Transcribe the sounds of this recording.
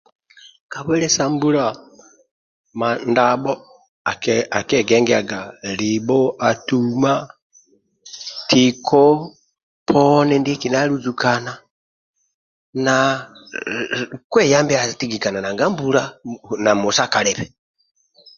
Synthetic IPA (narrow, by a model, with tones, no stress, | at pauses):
ka˨βwɛ˦lɛ˦sa˦mbu˦la | ma˨ndabɔ˦ | a˨ka˨kɛɡɛŋɡɛa˨ɡa˨li˨bɔ˦a˨tuma | tikʰɔ | pʰɔnɛ˦ndi˦ki˨na˦luzu˨kana | na | kwɛ˦ja˦mbia˨ti˦ɡi˨ka˨na˨na˨ŋɡa˦mbu˦la˦na˨mɔ˨saka˨lɛβɛ